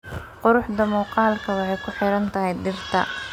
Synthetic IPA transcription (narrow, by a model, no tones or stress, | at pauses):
qʊɾʊħd̪ɐmuːqɑːlkʰɐwɑħɑjkʰʊħɪɾɐnt̪ʰɐɦɛjd̪ɪrt̪ʰɐ